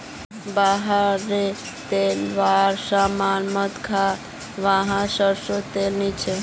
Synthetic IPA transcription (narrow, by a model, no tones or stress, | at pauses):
baɦaɾe | t̪elʋaɾsamanmət̪kʰa | ʋaɦãʃəɾʃot̪elnit͡ʃʰe